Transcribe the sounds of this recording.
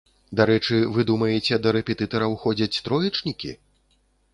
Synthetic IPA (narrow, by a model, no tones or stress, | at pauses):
d̪aɾɛt͡ʂɨvɨd̪umɐjɛt͡sʲɛd̪ɐɾɛpʲɛt̪ɨt̪ɐɾɐwxɔd͡zʲɐt͡sʲt̪ɾɔjit͡ʂnʲikʲḭ